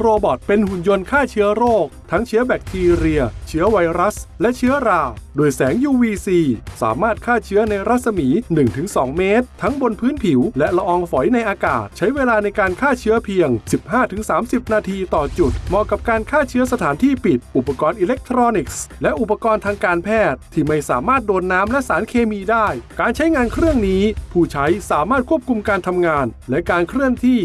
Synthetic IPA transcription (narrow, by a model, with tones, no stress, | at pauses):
ɾoː˧bɔ˨˩t̪̚pe˧nhu˨˩njo˧nkʰaː˥˩t͡ɕʰɯ˦˥ɐɾoː˥˩k̚t̪ʰa˦˥ŋt͡ɕʰɯ˦˥ɐbɛː˨˩k̚t̪ʰiː˧ɾi˧ɐt͡ɕʰɯ˦˥ɐwa˧jɾa˦˥slɛ˦˥ʔt͡ɕʰɯ˦˥ɐɾaː˧doː˧jsɛː˩˦ŋjuː˧wiː˧siː˧sa̰ː˩˦maː˥˩t̪̚kʰaː˥˩t͡ɕʰɯ˦˥ɐna˧jɾa˦˥t̪̚sa˧miː˩˦nɯ˨˩ŋt̪ʰɯ˩˦ŋsɔː˩˦ŋmeː˦˥t̪ʰːa˦˥ŋbo˧npʰɯː˦˥npʰi˨˩˦wlɛ˦˥ʔla˧ʔɔː˧ŋfɔ˩˦jna˧jʔaː˧kaː˨˩t̪̚t͡ɕʰa˦˥jweː˧laː˧na˧jkaː˧nkʰaː˥˩t͡ɕʰɯ˦˥ɐpʰi˧əŋsi˨˩p̚haː˥˩t̪ʰɯ˩˦ŋsaː˩˦msi˨˩p̚naː˧t̪ʰiː˧t̪ɔː˨˩t͡ɕu˨˩t̪̚mɔː˧˩kːa˨˩p̚kaː˧nkʰaː˥˩t͡ɕʰɯ˦˥ɐsa˧t̪ʰaː˩˦nt̪ʰiː˥˩pi˨˩t̪̚ʔu˨˩pːa˧kɔː˧nʔiː˧le˦˥k̚t̪ʰɾɔː˧ni˨˩k̚slɛ˦˥ʔu˨˩pːa˧kɔː˧nt̪ʰaː˧ŋkaː˧npʰɛː˥˩t̪ʰːiː˥˩ma˥˩jsaː˨˩˦maː˥˩t̪̚doː˧nːaː˦˥mlɛ˦˥ʔsaː˩˦nkʰeː˧miː˧daː˥˩jkaː˧nt͡ɕʰa˦˥jŋaː˧nkʰɾɯ˥˩əŋniː˦˥pʰuː˥˩t͡ɕʰa˦˥jsaː˨˩˦maː˥˩t̪̚kʰu˥˩əp̚kʰu˧mkaː˧nt̪ʰa˧mŋaː˧nlɛ˦˥kaː˧nkʰɾɯ˥˩əŋt̪ʰiː˥˩